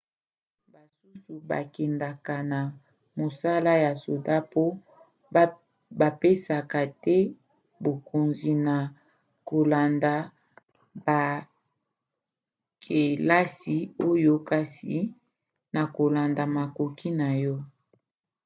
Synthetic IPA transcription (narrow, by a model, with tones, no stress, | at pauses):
ba˨su˦su˨ba̰˨kɛ˨nda˨ka˨na˨ | mo˨sa˦la˦ja˨so˨da˦po˦ | ba˨pe˦sa˨ka˨tɛ˦ | bo˨ko˨nzi˨na˨ | ko˨la˨nda˨ | ba˨ | kʰe˨la˦si˨o˦jo˦ka˨sḭ˨ | na˨ko˨la˨nda˨ma˨ko˨ki˦na˨jɔ˦